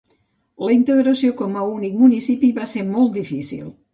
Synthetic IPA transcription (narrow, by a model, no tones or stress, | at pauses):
ləint̪əɣɾəsiokɔməunik̚munisipiβaseɾmɔlˠt̪̚d̪ifisḭlˠ